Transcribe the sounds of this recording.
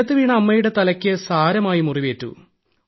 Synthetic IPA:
ɐt̪ːɨʋiːɳɐɐmːɐjuɽe̞t̪ɐlɐkʲːɨsaːɾɐmaːjimuriʋeːtːṵ

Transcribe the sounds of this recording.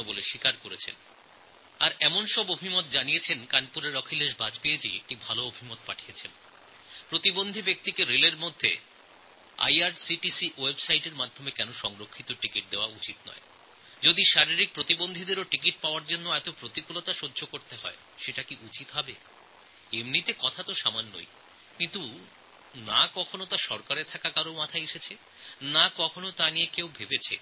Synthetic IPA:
boleʃikaɾkoɾet͡ɕʰḛn | aɾɛmonʃɔbobʱimot̪̚d͡ʑanijet͡ɕʰenkanpuɾeɾɔkʰilːeʃbad͡ʑpeed͡ʑḭek̚ʈibʱaloobʱimot̪̚paʈʰijet͡ɕʰen | pɾot̪ibond̪ʱibek̚t̪ikeɾeleɾmod̪ʱːḛ | a̰jaɾsiʈisiwebsajʈeɾmad̪ʱomekɛnoʃɔŋɾokʰːit̪oʈikiʈ̚d̪eoaut͡ɕit̪nɔ̰e | d͡ʑod̪iʃaɾiɾik̚pɾot̪ibond̪ʱid̪eɾoʈikiʈ̚paoaɾd͡ʑonːoɛt̪opɾot̪ikulot̪aʃodːʱokoɾt̪eɦɔ̰e | ʃeʈakiʔut͡ɕit̪ɦɔbe | emnit̪ekɔt̪ʰat̪oʃamanːo̰j | kint̪u | nakɔkʰonot̪aʃɔɾkaɾet̪ʰakakaɾomat̪ʰaeʃet͡ɕʰe | nakɔkʰonot̪aniekewbʱebet͡ɕʰḛ

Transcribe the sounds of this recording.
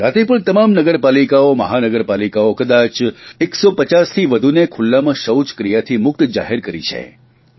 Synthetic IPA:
ɾat̪ipuɭt̪əmamnəɡəɾpalikaomə̰ɦanəɡəɾpalikaokəd̪at͡ʃeksopət͡ʃast̪ʰiʋəd̪ʱunekʰʊlːamãʃəwt͡ʃkɾijat̪ʰimʊk̚t̪d͡ʒa̰ɦeɾkəɾḭt͡ʃʰḛ

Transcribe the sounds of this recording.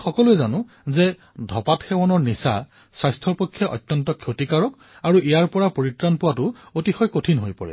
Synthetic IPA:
xɔkɔluɛzanʊ̃ | zɛ | dʱɔpatxɛwɔnɔɹnisa̰ | sɹajstʰɔɹpɔkʰːjɔʔɔ̰jtːjɔntɔkʰjotikaɹɔk | aɹuʔijaɹpɔɹapoɹitɹanpʊwatʊotixɔjkotʰinɦojpɔɹɛ̰

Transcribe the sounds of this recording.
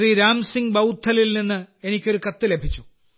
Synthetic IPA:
riɾaːmsiŋɡbɐwt̪ʰːɐlilninːɨe̞nikʲːo̞ɾukɐt̪ːɨle̞bʱit͡ɕːu

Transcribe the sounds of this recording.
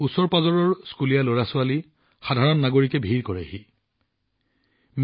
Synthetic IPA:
usɔɹpazɔɹɔɹskulijaloɹasʊali | xadʱaɹɔnːaɡoɹikɛbʱiɹkɔɹɛhi | m

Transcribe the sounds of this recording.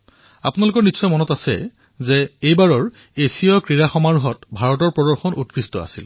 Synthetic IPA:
a̰punalʊkɔɹnisɔjmɔnɔtasɛ̰ | zeejbaɹɔɹ | esiɔkɹiɹaxɔmaɹuɦɔtbʱaɹɔtɔɹpɹɔdɔɹxɔnʔut̚kɹistɔ̰a̰sḭl

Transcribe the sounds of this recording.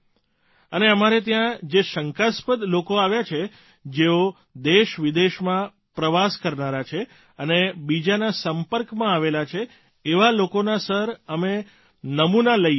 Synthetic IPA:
əneəmaɾet̪̬jãd͡ʒeʃəŋkaspəd̪lokoaʋjat͡ʃʰe | d͡ʒeo | d̪eʃʋid̪eʃmã | pɾəʋaskəɾnaɾat͡ʃʰe | ənebid͡ʒanasəmpəɾkmãaʋelat͡ʃʰeː | ʋalokonasəɾəme | nəmunaləj

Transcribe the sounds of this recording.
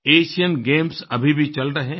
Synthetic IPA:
eːʃijənɡeːmsɐbʱibʱit͡ʃɐlɾɐɦẽ

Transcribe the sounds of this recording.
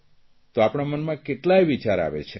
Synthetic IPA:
t̪oapɽ̃amənmãkeʈlajʋit͡ʃaɾa̰ʋḛt͡ʃʰe

